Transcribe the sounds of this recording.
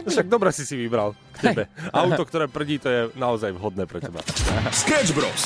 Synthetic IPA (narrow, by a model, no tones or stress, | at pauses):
ʃaɡ̚d̪ɔbɾɛsisiʋibɾalkcɛbɛawt̪ɔkt̪ɔɾɛːpr̩ɟiːt̪ɔjɛnaɔzajʋɦɔd̪̚nɛːpɾɛcɛba̰skɛd͡ʒbɾɔ̰s